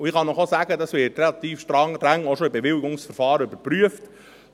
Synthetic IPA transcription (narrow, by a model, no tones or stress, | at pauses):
uɪχɑnɔχosæːɡədɑsʋɪːtrelɑt̪iːfʃtɾɑŋɾæŋoʃoɪbɛʋɪlɪɡʊŋsfəɾfɑːɾəøbəɾpɾyəft